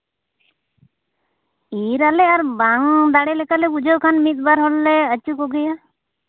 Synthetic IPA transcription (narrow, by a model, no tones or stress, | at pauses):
iɾaleaɾbaŋd̪aɽelekalɛbud͡ʒəwkʰanmit̪̚baɾɦɔlːeət͡ʃukɔɡɛja